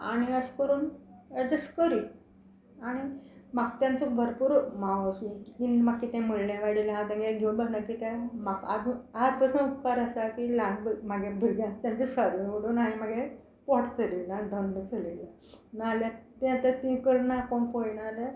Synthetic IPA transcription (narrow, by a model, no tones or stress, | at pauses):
a̰ɽ̃iəskəɾuːnəd͡ʑəskəɾi | aɽ̃imaɡt̪jãnt͡sɔbʱəɾpuːɾmaʋasukiinmakkːit̪ɛ̃məɭlãʋaɽilɦat̪ãŋɡeɡʱeũnbənakit̪ãmakad͡zuad͡zpəsənupkaɾəsakilãnbmaɡebʱəɾɡjãnt̪jãɲt͡ɕisʋad̪ʱioɽuːnaɦimaɡe | poʈt͡səlilad̪ʱənːət͡səlilanaljat̪ɛ̃at̪ət̪ĩkəɾnakoɳpojɳaɾə